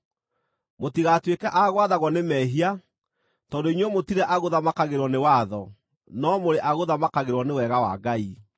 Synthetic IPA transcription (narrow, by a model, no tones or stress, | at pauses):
motiɣatwekɛʔaɣwaðaɣwɔnemɛɦia | tɔndoinwɔmotiɾɛʔaɣoðamakaɣeɾwɔnewaðɔ | nɔmoɾeʔaɣoðamakaɣeɾwɔnewɛɣawa̰ɡai